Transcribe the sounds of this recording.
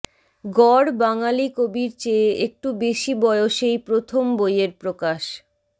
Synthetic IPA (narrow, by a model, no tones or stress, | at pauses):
ɡɔɽbaŋalikobiɾt͡ɕeːek̚ʈubeʃibɔeoʃejpɾot̪ʰombojeɾpɾokaʃ